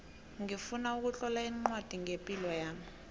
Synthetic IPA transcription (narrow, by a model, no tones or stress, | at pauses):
ŋifunauk̬ut͡ɬɔlaiŋ͡ǃwad̥ʱiŋepʼilɔjaːmi